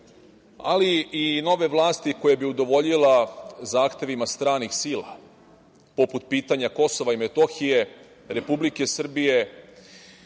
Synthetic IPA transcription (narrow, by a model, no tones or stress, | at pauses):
a̰liino̞ʋe̞ʋlˠaːst̪iko̞jebiud̪o̞ʋo̞ʎilazaːxt̪e̞ʋimast̪ɾaːnixsiːlˠa | po̞put̪̚piːt̪aɲako̞so̞ʋaimet̪o̞xije̞ | ɾe̞publike̞sr̩bije̞